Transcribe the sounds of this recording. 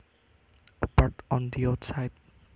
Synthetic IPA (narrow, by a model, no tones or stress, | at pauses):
baʈɔ̃nd̪iaʊt̪sajd